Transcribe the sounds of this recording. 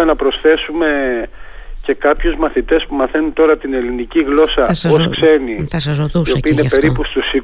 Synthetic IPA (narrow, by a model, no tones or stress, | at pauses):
enɐpɾo̞sθe̞sume̞ | ce̞kɐpçuzmɐθit̪e̞spumɐθe̞nunt̪o̞ɾɐt̪ine̞liniciɣlo̞sɐoskse̞niɐsɐzousiopiinepe̞ɾipust̪usi